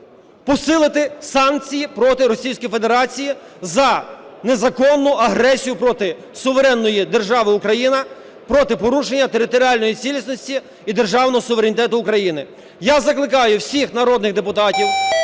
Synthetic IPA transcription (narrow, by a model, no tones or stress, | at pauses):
pɔsɪlˠɪt̪ɪsɑnk̚t͡sʲijipɾɔt̪ɪɾɔsʲijsʲkɔjfed̪eɾɑt͡sʲiji | zɐne̞zɐkɔnːʊʔɐɦɾɛsʲijʊpɾɔt̪ɪ | sʊʋeɾɛnːɔjid̪erʒɑʋɪʊkɾɐjinɐ | pɾɔt̪ɪpɔɾuʃenʲːɐt̪e̞ɾɪt̪ɔɾʲiɑlʲnɔjit͡sʲilʲisnɔsʲtʲi | id̪erʒɑwnɔɦɔsʊʋeɾʲenʲit̪ɛt̪ʊːkɾɐjinɪ | jazɐklˠɪkɑjʊwsʲixnɐɾɔd̪nɪɣd̪epʊt̪ɑtʲiw